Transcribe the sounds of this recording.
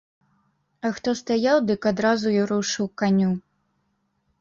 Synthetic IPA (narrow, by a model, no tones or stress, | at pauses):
ɐxt̪ɔst̪ajawd̪ɨkad̪ɾazuiɾuʂɨwkanʲu